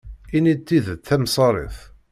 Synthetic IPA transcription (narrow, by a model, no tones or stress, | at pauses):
init̪ːiðəθæmsˤɑɾˤḭθ